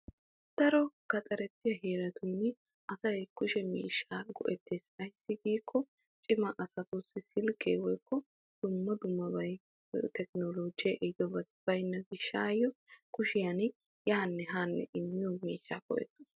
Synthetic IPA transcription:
d̪̥ɐɾɔkɐt̪ʼɐɾɛt̪ːɪjɐɦeːɾɐt̪uːnɪ | ʔɐsɐjkʊʃɛmḭːʃːaːɡɔ̰ʔɛt̪ːeːsɐjsːɪɡiːkʰːɔ | t͡ʃʼɪmɐʔɐsɐt̪ʊsɪsɪlkːḛːwɔjkːɔ | d̪̥ʊmːɐd̪ʊmːɐbɐj | t̪ɛknoloːd͡ʒɪjɐʔɛd̪ɔbɐt̪ɪb̥ɐjnːɐɡɪʃːaːjːɔkʊʃɪjan | jaːnːɛɦaːnːɛ̰ʔɪmːɪumiːʃːaːkɔ̰ʔɛ̰t̪ːʊ̥

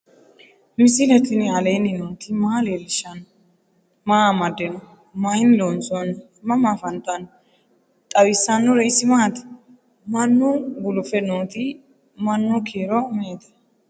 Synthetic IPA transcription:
mɪsɪlɛt̪ɪnɪɐleːnɪnoːt̪ɪmaːleːlːɪʃɐn | maːmɐd̪ːɛnɔ | mahɪnɪloːnsɔn | mːɐmaːfɐnt̪ʊɐn | t̪ʼɐwɪsːɐnːʊɾɛɪsɪmaːt̪ɪ̥ | mɐnːʊɡʊlʊfɛnoːt̪ɪ | mɐnːʊkʰeːɾɔmeːt̪ɐ̥

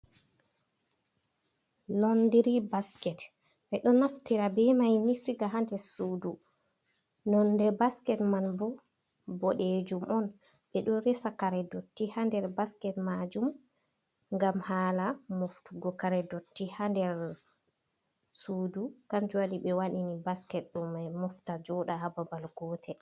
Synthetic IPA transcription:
lɔndiɾibaskɛt | ɓɛɗɔnaftiɾabɛmajnisiɡaɦandɛɾsuːdu | nɔndɛbaskɛtmanbɔ | bɔɗed͡ʒumʔɔn | bɛɗɔɾɛsakaɾɛdotːihandɛɾbaskɛtmad͡ʒum | ŋɡamhaːlamoftuɡɔkaɾɛdotːihandɛɾ | suːdukamd͡ʒuwaɗiɓɛwaɗinibaskɛt̚ɗɔmɛmɔftad͡ʒɔɗahababalɡɔːtʰɛ

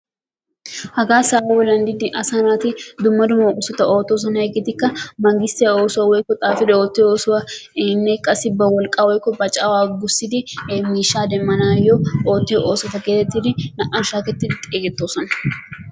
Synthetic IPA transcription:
hɐɡaːsaːwɐwɔlɐnd̪ɪd̪ɪʔɐsanaːt̪ɪd̪ʊmːɐd̪ʊmɐʊsɔt̪ɐʔoːt̪ːoːs̬ɐnɐhɛɡɛt̪ɪkːɐmɐŋɡɪst̪ɪjɐoːsʊɐwɔjkːɔt̪ʼaːfɪd̪ɛoːt̪ːɪoːsʊwɐnːɛkʼːɐsɪbɐwɔlkʼaːwɔjɪkːɔbɐt͡ʃʼawaːɡʊsɪd̪ɪmiːʃaːd̪ɛmːɐnaːjɔoːt̪ːɪjɔʔoːsɔt̪ɐkeːt̪ːɛt̪ːɪd̪ɪnɐʔanʃaːkɛt̪ːɪdt̪ʼeːɡɛt̪ːoːsɔnɐ

